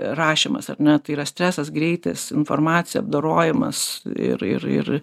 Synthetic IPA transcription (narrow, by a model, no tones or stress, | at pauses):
rɑːʃʲɪmɐ̰sɐrʲnʲɛt̪ɐɪiːɾɐsʲt̪ʲɾʲæːsɐsɡɾʲɛɪt̪ɐsɪnfoːrmɑːtt͡sʲɪjɛɐb̚d̪oːɾoːjɪmɐ̰sɪ̰ɾɪ̰ɾɪ̰r